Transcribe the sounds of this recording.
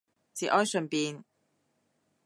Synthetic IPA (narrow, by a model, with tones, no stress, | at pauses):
t͡siː˨˩ʔɔː˥jsɵ˨npiː˨˧n